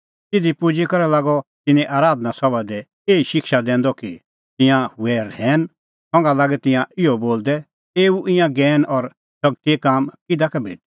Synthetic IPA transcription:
t̪ɪd̪ipʊd͡ʒikɔɾɛlaːɡɔt̪ɪnɛ̃ʔaːɾaːd̪nasɔbad̪ɛ | eːiʃɪkʃad̪ɛ̃ːnd̪ɔki | t̪ɪ̃jãhuɛɾɛːn | sɔ̃ŋɡalaːɡɛt̪ɪ̃jãɪɔboːld̪ɛ | eːuʔɪ̃jãɡɛːnʔɔɾ | sɐɡ̚t̪iekaːmkɪd̪akabʱḛːʈ̚

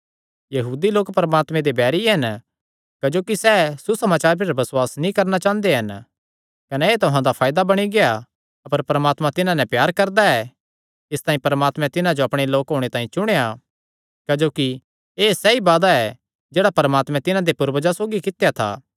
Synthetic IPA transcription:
jɐɦuːd̪iloːkpɐɾəmaːt̪mɛ̃d̪ebɛːɾiɦɐn | kɐd͡ʒoːkisɛsusɐmaːt͡ʃaːɾpeɾbɐswaːsnĩkɐɾnat͡ʃãːnd̪eɦɐn | kɐnɛeːt̪ʊɦãd̪apʰaːjd̪abɐɽ̃iɡeja | ɐpəɾpɐɾmaːt̪mãt̪ɪnãnɛ̃pjaːɾkɐɾd̪aɛ | ɪst̪aːĩpɐɾmaːt̪mɛ̃t̪ɪnãd͡ʒoɐpɽ̃eloːkɦoːɽ̃et̪ãːĩt͡ʃʊɽ̃eja | kɐd͡ʒoːki | eːsɛibaːd̪aɛ | d͡ʒeːɽapɐɾəmaːt̪mɛ̃t̪ɪnãd̪epʊɾbəd͡ʒasoːɡikɪt̪jat̪ʰa̰ː

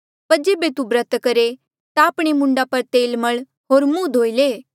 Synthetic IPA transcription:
pɐɾd͡ʒeːbet̪ubɾət̪kɐɾe | t̪aːpɽ̃emʊ̃ɳɖapɐɾt̪eːlmɐɭ | ɦoːɾmuːd̪ʱoːileː

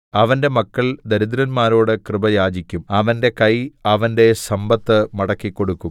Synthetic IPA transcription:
ɐʋɐnde̞mɐkːɐɭd̪ɐɾud̪ɾɐnmaːɾo̞ːɽɨkrɨbɐjaːd͡ʑikʲːumɐʋɐnde̞kɐjɐʋɐnde̞sɐmbɐt̪ːɨmɐɽɐkːikːo̞ɽukːum

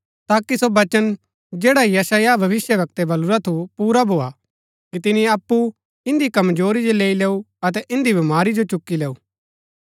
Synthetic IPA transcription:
t̪aːkisobɐt͡ʃən | d͡ʒeːɽaijɐsaːjabʱɐʋɪsjəʋɐk̚t̪ebɐluɾat̪ʰupuːɾabʱoːa | kit̪ɪniɐpːu | ɪ̃nd̪ikɐmd͡ʒoːɾid͡ʒoleːileːu | ɐt̪̬ɛʔɪ̃nd̪ibɪmaːɾid͡ʒot͡ʃʊkːileːuː

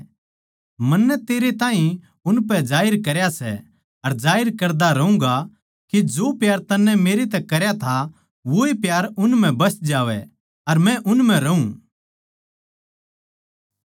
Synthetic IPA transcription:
mɐnːɛt̪eːɾet̪ãːɦĩ | ʊnpɛd͡ʒaːɪɾkɐɾjasɛ̰ | ɐɾd͡ʒaːɪɾkɐɾd̪aɾɐũŋɡa | kid͡ʒoːpjaːɾt̪ɐnːɛmeːɾet̪̬ɛkɐɾjat̪ʰa | ʋoipjaːɾʊnmɛ̃bɐsd͡ʒaːʋɛ̰ | ɐɾmɛ̃ʔʊnm̤ɛ̃ɾɐũː

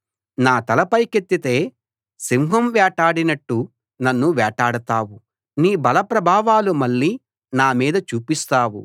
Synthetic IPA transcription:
naːt̪ɐlɐpɐjket̪ːit̪e̞ː | simɦɐmʋɛːʈaːɽinɐʈːu | nɐnːuʋɛːʈaːɽɐt̪aːwu | niːbɐlɐpɾɐbʱaːʋaːlumɐɭːiː | naːmiːd̪ɐt͡ʃuːpist̪aːwṵ

